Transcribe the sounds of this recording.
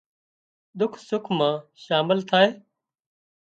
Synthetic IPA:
ɗ̪ʊkʰsʊkʰmãːʃaːmɪlt̪ʰaːɦeː

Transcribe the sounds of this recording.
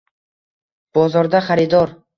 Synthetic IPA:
b̥ɒzɒɾd̪aχaɾɪd̪ɒɾ

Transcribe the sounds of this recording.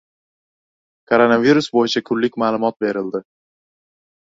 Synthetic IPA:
kʰoɾonaviɾʊsbojɪt͡ʃʰakʰʊlːɪkʲmaːlˠʊmɒt̪̚be̞ɾɪld̪ɪ

